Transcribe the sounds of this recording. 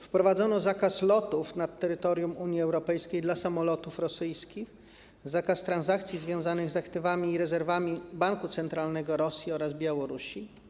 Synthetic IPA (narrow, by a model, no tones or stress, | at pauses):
fpɾɔvad̪zɔnɔzakaslɔt̪ufnat̪ːɛɾɘt̪ɔɾʲjumuɲjiɛwɾɔpɛjskʲejd̪lasamɔlɔt̪ufɾɔsɘjskʲix | zakast̪ɾanzakt̪sʲjizvʲjɔ̃w̃zanɘɣzakt̪ɘvamʲiːɾɛzɛɾvamʲibaŋkut̪sɛnt̪ɾalnɛɡɔɾɔsʲjiɔɾazbʲjawɔɾuɕi